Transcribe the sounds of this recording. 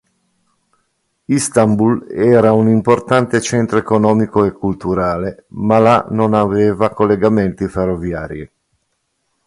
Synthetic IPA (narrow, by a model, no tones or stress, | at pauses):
ist̪ambulɛːɾaunimport̪ant̪et͡ʃɛnt̪ɾoekonɔːmikoekːult̪uɾaːlemalanonaveːvakolːeɡament̪iferːovjaːɾḭ